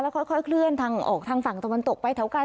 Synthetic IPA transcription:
lɛː˦˥wkʰɔ˥˩jkʰɔ˥˩jkʰlɯ˥˩ənt̪ʰaː˧ŋʔɔ̰ː˨˩k̚t̪ʰaː˧ŋfa˨˩ŋt̪a˧wa˧nt̪o˨˩k̚pa˧jt̪ʰːwka˧

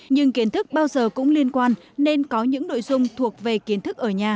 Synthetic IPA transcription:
ɲɨ˧ŋki˨˦ənt̪ʰɨ˦˥k̚ɓaː˧wzəː˨˩kʊ̰˧˥ŋ͡mli˧ənkwaː˧n | ne˧nkɔ˨˦ɲɨ̰˧˥ŋno̰˧˨jzʊ˧ŋ͡mt̪ʰu˨˩ək̚ve˨˩ki˨˦ənt̪ʰɨ˦˥k̚ʔəː˧˩ɲaː˨˩

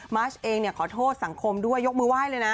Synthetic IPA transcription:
maː˦˥t͡ɕʔeː˧ŋni˥˩əkʰɔː˩˦t̪ʰoː˥˩t̪̚sa˩˦ŋkʰo˧mdu˥˩əjːo˦˥k̚mɯː˧waː˥˩jlɤː˧jna˦˥

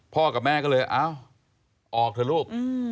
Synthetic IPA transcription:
pʰɔː˥˩ka˨˩p̚mɛː˥˩kɔː˥˩lɤː˧jʔaː˦˧˩w | ʔɔː˨˩k̚tʰɯ˧˦luː˥˩k̚ɯ˧

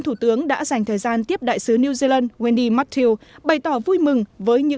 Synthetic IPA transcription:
nt̪ʰu˧˩t̪ɨ˨˦əŋɗa̰ː˧˥za˨˩jŋ̟t̪ʰəː˨˩jzaː˧nt̪i˦˥əp̚ɗa̰ː˧˨jsɨ˨˦ni˧wzi˧la˧nwɛ˧nɗi˧ma˦˥k̚t̪ʰi˧wɓa˨˩jt̪ɔ˧˩vu˧jmɨ˨˩ŋvəː˨˦jɲɨ̰˧˥

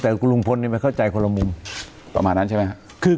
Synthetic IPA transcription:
t̪ɛː˨˩ku˧lu˧ŋpʰo˧nːiː˧˥˩ma˧nka˥˩t͡ɕa˧jkʰo˧la˧mu˧m | pa̰˧maː˨nːa˦˥nt͡ɕa˥˩m˦ja˦˥ | kʰɯː˧

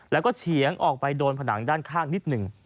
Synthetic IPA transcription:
lɛː˦˥wkɔː˥˩t͡ɕʰi˨˩˦əŋʔɔː˨˩k̚pa˧jdoː˧npʰa˧na˩˦ŋdaː˥˩nkʰaː˥˩ŋni˦˥t̪̚nɯ˨˩ŋ

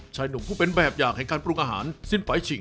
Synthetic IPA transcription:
t͡ɕʰaː˧jnu˨˩˦pʰuː˥˩pe˧nbɛː˨˩p̚jaː˨˩k̚hɛ˨˩˦ŋka˧npɾu˧˩ʔaː˧ɦa̰ː˩˦nsi˥˩nfa˨˦jt͡ɕʰi˨˩˦ŋ

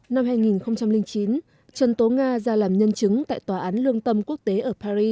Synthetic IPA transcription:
na˧mhaː˧jŋi˨˩nxə˧wŋ͡mt͡ɕa˧mlï˧ŋt͡ɕi˨˦n | t͡ɕə˨nt̪o˨˦ŋaː˧zaː˧laː˨˩mɲə˧nt͡ɕɨ˨˦ŋt̪a̰ː˧˨jt̪waː˨˩ʔaː˨˦nlɨ˧əŋt̪ə˧mku˦˥ək̚t̪e˨˦ʔəː˧˩paː˧zi˧

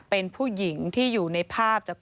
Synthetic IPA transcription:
pe˧npʰuː˥˩ji˩˦ŋt̪ʰiː˥˩juː˨˩na˧jpʰaː˥˩p̚t͡ɕaː˨˩k̚

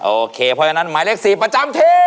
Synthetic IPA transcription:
ʔoː˨˧˩kʰeː˧˩pʰɔ˦˧˩t͡ɕʰa˧na˦˧˥nmaː˨˦le˦˥˩k̚siː˨˩pɾa˧t͡ɕa˧mt̪ʰiː˧˥

